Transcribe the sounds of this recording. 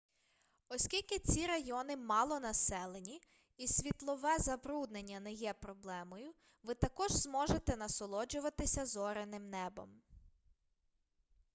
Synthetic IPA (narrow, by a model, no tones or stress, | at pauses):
ɔsʲkʲilʲkɪt͡sʲiɾɐjɔnɪmɑlˠɔnɐsɛlˠenʲi | isʲʋʲit̪lˠɔʋɛzɐbɾud̪nenʲːɐnɛjɛpɾɔblˠɛmɔjʊ | ʋɪt̪ɐkɔʒzmɔʒet̪ɛnɐsɔlˠɔd͡ʒʊʋɐt̪ɪsʲɐzɔɾenɪmnɛbɔ̰m